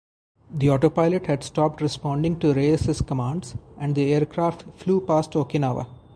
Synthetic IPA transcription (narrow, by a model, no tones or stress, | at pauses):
d̪iɔːʈoːpaɪləʈhæɖsʈɔːp̚ʈɾɪspɔ̃ːɳɖɪ̃ŋʈuɾeːsɪskəmãːɳɖzʔɛ̃ɳɖd̪ieːəɾkɾaːfʈfluːpaːsʈoːkɪnaːʋə̰